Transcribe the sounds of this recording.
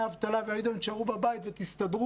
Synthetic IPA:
avt̪alaveajid̪omt͡ʃaʁubabait̪vet̪ist̪ad̪ʁu

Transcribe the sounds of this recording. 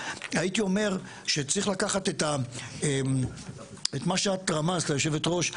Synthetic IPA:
ajitio̞me̞ʁ | ʃet͡sʁiχlakaχatet̪ae | etmaʃeat̪ʁamaztajo̞ʃe̞vetʁo̞ʃ

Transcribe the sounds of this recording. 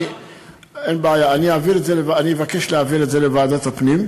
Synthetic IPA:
enbeajaːniaviletzelevaanievake̞ʃleaviletze̞levaːd̪at̪hapnim

